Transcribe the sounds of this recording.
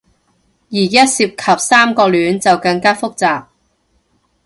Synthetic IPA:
jiː˨˩jɐ˥t̚siː˧p̚kʰɐ˨p̚saː˥mkɔː˧lyː˨˥nt͡sɐ˨wkɐ˧ŋkaː˥fʊ˥k̚t͡saː˨p̚

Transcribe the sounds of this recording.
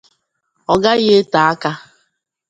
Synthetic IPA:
ɔ˨ɡa˦ɣe˦ta˨a˦ka˦

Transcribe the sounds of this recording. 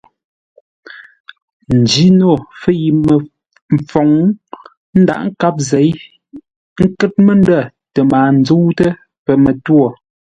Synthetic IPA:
n̩˨d͡ʒi˦no˦˨fə˦ji˨m˨ | m̩˨fɔ˨ŋ | n̩˦da̰˦˨ʔŋ̩˦ka˦p̬̚ze˨˦j | ŋ̩˦kɛ˦t̚mə˦n˦də˦˨ | tə˨maː˨n̩˦d͡zu˦wtə˦ | pə˨mə˨two˨

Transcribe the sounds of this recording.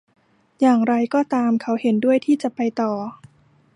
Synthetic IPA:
jaː˨˩ŋɾa˧jkɔː˥˩t̪aː˧mkʰa˦˥whe˩˦ndu˥˩əjt̪ʰiː˥˩t͡ɕa˨˩pa˧jt̪ɔː˨˩

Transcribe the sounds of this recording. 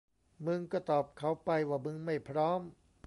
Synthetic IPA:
mɯ˧ŋkɔː˥˩t̪ɔː˨˩p̚kʰa˨˩wpa˧jwaː˧˩mɯ˧ŋma˥˩jpʰɾɔː˦˥m

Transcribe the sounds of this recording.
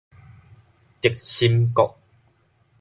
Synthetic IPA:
t̪i˨˩k̚ɕi˦mkɔ˨ʔ̚

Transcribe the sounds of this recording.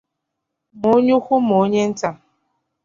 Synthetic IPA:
mo˨˦ɲu˦xʊ˦mo˨˦ɲe˦n̩˦ta˦

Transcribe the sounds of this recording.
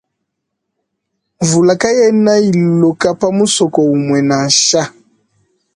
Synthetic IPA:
ɱvu˨la˨ka˦jɛ˦na˦i˨llɔ˨ka˦pa˦mu˦sɔ˨kɔ˨u˨mwɛ˨na˨ʃa˦

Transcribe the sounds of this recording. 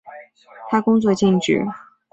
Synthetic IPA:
t̪ʰa˥kʊ˥ŋt͡swɔ˥˧t͡ɕi˥˩ŋʈ͡ʂy̰˥˨˩

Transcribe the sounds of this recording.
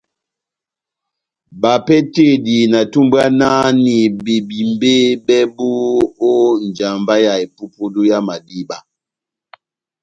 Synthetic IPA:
ba˨pɛ˦te˦˨di˨na˨tu˦mba˦na˦ni˨be˨bi˨mbe˦bɛ˦bu˦o˦n˨d͡ʒa˨mba˦ja˨e˨pu˦pu˦du˦ja˦ma˨di˦ba˨

